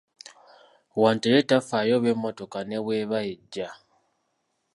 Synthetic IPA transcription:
waːntejetafajo̞βwemːo̞to̞kane̞βweːβaeɟːa

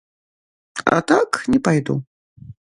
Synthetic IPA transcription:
a̰t̪aknʲɛpajd̪ṵ

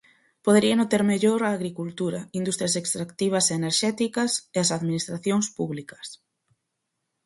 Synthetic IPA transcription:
poðeɾianot̪eɾmeʎoɾaːɣɾikult̪uɾɐind̪ust̪ɾjasekst̪ɾakt̪iβ̞ɐseeneɾʃɛt̪ikɐseasaðminist̪ɾaθjoŋspuβlikɐ̥s

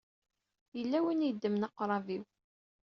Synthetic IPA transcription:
jəlːæwinjəd̪ːəmnɑqːɾˤɑviw

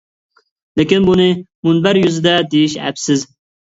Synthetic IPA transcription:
lekinbunimunbɐɾjuzd̪ad̪iɕæ̰psɨz

